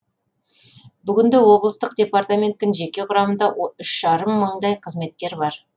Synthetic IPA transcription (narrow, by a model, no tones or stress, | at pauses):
bʏɡʲɪnd̪ɪwo̞blˠəst̪əqd̪ʲe̞part̪amʲe̞nt̪ːɪnʒe̞kʲe̞qʰʊɾɑmənd̪ɑwoʏʃʒ̥ɑɾəmːəɴd̪ɑjqʰəzme̞t̪kʲe̞ɾbɑɾ